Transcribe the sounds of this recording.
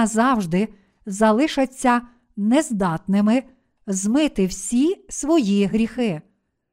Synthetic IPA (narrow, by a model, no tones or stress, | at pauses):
zɑwʒd̪ɪ | zɐlˠɪʃɐt͡sʲːɐ | nɛzd̪ɑt̪nɪmɪ | zmɪt̪ɪwsʲisʋɔjiɦɾʲixɪ